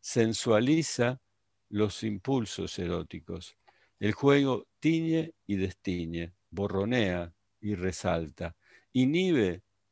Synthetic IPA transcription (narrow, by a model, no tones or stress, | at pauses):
se̞nswalisa | lo̞simpulso̞̰seɾot̪iko̞s | elxwe̞ɣo̞t̪iɲe̞iðest̪iɲe̞ | βo̞ro̞nea | iresalt̪a | iniβe̞